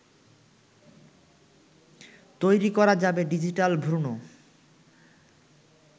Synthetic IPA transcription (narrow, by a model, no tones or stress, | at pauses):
t̪ojɾikɔɾad͡ʑabeɖid͡ʑiʈalbʱɾuno